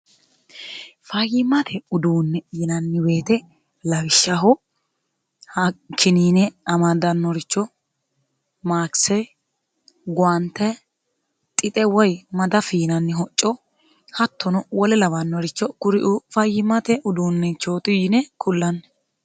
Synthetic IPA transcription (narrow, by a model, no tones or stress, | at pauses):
fɐjɪmɐt̪ʰɛʊd̪uːnːɛjɪnɐnːɪwe̞ːt̪ɛ | lɐwɪʃːɐɦɔ | hɐkʰːɪniːnɛɐmɐd̪ɐnːɔɾɪt͡ʃːɔ | maːksɛ | ɡʊant̪ːɛ | t̪ʼɪt̪ʼɛwɔjmɐd̪ɐfiːnɐnːɪɦɔt͡ʃʼːɔ | hɐt̪ːɔnɔwɔlɛlɐvɐnːɔɾɪt͡ʃːɔkʊɾɪʔʊfɐjɪmɐt̪ɛʔʊd̪uːnːɛt͡ʃːoːt̪ɪjɪnɛkʰʊlːɐnːɛ